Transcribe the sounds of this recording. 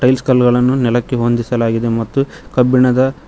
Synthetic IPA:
ʈɐjlskɐlɡɐɭɐnːunɛlɐkːe̞ɦond̪isɐlaːɡid̪e̞mɐt̪ːu | kɐbːiɳɐd̪ɐ

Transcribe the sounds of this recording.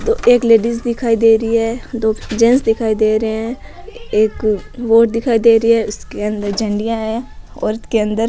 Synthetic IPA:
d̪oːeːkleːɖisd̪ɪkʰaːid̪eːɾəiɦɛːd̪oːd͡ʒɛ̃nsd̪ɪkʰaːid̪eːɾɛ̃ː | eːkʋoːʈd̪ɪkʰaːid̪eːɾəiɦɛːʊskeə̃nd̪əɾd͡ʒəɳɖijãɦɛɔ̰ːɾɪskeə̃nd̪əɾ

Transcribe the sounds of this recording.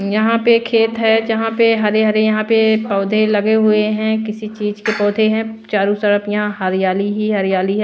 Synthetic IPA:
jɐɦãpekʰeːt̪ɦɛd͡ʒɐɦãpeɦɐɾeɦɐɾejɐɦãpepɔːd̪ʱelɐɡeɦʊeɦɛ̃kɪsit͡ʃiːzkepɔːd̪ʱeɦɛ̃t͡ʃaːɾũsɐɽəpjɐɦãɦɐɾijaːliɦiɦɐɾjaːliɦɛː

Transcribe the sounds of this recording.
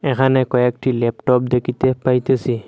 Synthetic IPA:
ɛkʰanɛkɔek̚ʈʰilepʈɔp̚d̪ekʰit̪epajt̪esi

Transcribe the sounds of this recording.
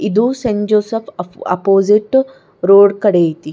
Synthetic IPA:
id̪useɲd͡ʒoːsɐpʰɐ̰poːziʈ | ɾoːɖkɐɽejit̪i

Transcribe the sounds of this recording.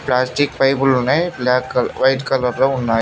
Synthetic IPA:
plaːsʈɪk̚pɐjbʊlneblaːkʋɐɪʈkɐlɐɾlɐʊnːaːj

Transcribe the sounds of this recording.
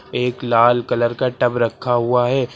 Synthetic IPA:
eːklaːlkɐləɾkaʈɐbɾɐkʰːaɦʊaɦɛː

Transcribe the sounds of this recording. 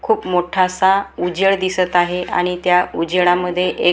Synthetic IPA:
kʰuːpmoʈʰasaud͡ʑəɭd̪isət̪aɦeʔa̰ɽ̃it̪jaud͡ʑəɭaməd̪ʱːjeʔe

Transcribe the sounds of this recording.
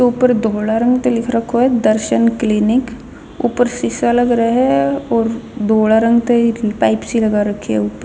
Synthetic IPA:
euːpəɾd̪ʱoːɽaɾə̃ŋɡt̪elɪkʰɾɐkʰːoɦɛd̪əɾʃənklɪnɪk | uːpəɾsɪsalɐɡɾaɦɛɔːɾd̪ʱoːɽaɾə̃ŋɡt̪epaːɪpsilɐɡaɾɐkʰːiɛuːpəɾ

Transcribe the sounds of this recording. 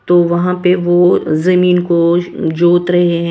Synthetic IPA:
t̪oːʋɐɦãpeʋozɐmiːnkod͡ʒoːt̪ɾɐɦeɦɛ̃

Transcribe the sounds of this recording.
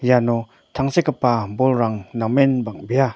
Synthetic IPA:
janɔ | tʰaŋsekapːabɔlɾaŋnamenbaŋbija

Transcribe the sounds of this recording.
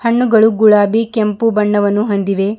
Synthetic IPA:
hɐɳːuɡɐɭuɡuɭaːbikempubɐɳːɐʋɐnːuɦond̪iʋe̞

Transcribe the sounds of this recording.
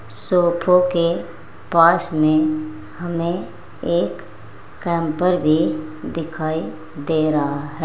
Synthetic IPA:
sopʰoke | paːsmẽ | həme | eːkː | ɛ̃mpəɾbʱid̪ɪkʰaːi | d̪eːɾəɦaɦɛ

